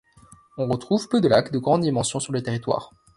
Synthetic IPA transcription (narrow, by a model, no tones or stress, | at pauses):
ɔ̃ʁət̪χuvpød̪əlakd̪əɡʁɑ̃d̪ːimɑ̃sjɔ̃syʁlət̪eʁit̪wa̰ːʁ